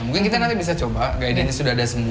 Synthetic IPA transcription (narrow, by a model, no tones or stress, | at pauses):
muŋkinkit̪anant̪abis̬at͡ʃɔbaɡaidaɲasudadasəmu